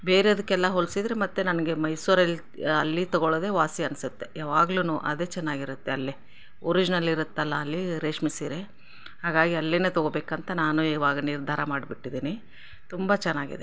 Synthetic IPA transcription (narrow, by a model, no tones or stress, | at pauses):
be̞ːɾeɐd̪ukːɛlːɐɦoɭsid̪ɾemɐt̪ːunɐnɐɡe̞mɐjsuːɾɐli | ɐlːit̪ɔɡoɭoːd̪e̞ːʋaːsiɐnsut̪ːe̞jaːʋaːɡluːnuʔɐ̰d̪e̞ːt͡ʃɛnːaːɡiɾut̪ːeɐlːe | oɾid͡ʒnɐlːiɾut̪ːɐlːɐːlːiɾeːʂmisiɾe | haːɡaːɡiɐlːinet̪ɔɡobeːkɐnt̪ɐnaːnuiːʋaːɡɐniɾd̪ʱaːɾɐmaːɖbiʈːid̪iːni | t̪umbɐt͡ʃɛnːaːɡḭd̪e